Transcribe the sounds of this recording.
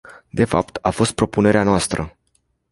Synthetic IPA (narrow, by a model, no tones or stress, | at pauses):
d̪e̞fa̰pt̪afo̞st̪̚pɾo̞pune̞ɾeanoast̪ɾə